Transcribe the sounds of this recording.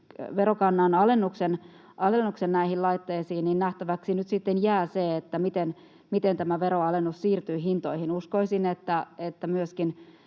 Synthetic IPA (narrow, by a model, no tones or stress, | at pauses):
ʋeɾrokɑnːɑnɑlenːuksen | ʔɑlenːuksennæihillɑit̪ːeːsiːnninnæht̪æʋæksinyt̪sit̪ːenjæːseet̪ːæmit̪en | mit̪ent̪æmæʋeɾoɑlenːussiːrt̪yːɦint̪oihinuskoisinet̪ːæet̪ːæmyøskin